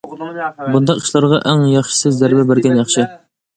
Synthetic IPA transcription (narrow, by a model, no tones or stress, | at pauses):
bund̪ɑqi̥ʃlˠɑɾʁɑʔæŋjɑχʃɨ̥sɪzːæɾbɛbɪɾɡʲɛnjɑχʃɪ